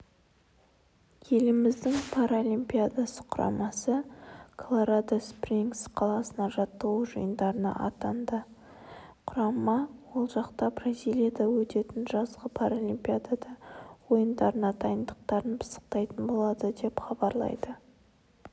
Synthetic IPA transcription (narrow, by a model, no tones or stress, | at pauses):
kʲʰe̞lɪmɪzd̪ɪŋpʰaɾolʲimpʲiad̪asə̥qʰʊɾɑ̰mɑsəkʰlˠoɾad̪aspriŋksqʰɑlˠɑsənɑʒɑt̪ːɑuʒʊ̰jənd̪ɑɾənɑ̰ʔɑ̰t̪ɑnd̪ə | qʰʊɾɑmɑwo̞lˠʒɑqt̪ɑbrazʲilʲijad̪ɑwɵt̪e̞t̪ɪnʒɑzʁəpʰaɾolʲimpʲiad̪ad̪ɑwo̞jənd̪ɑɾənɑd̪ʰɑjənd̪əq̚t̪ɑɾənpʰə̥sə̥q̚t̪ɑjt̪ənbo̞lˠɑd̪əd̪e̞pχɑbɑɾlˠɑ̰jd̪ə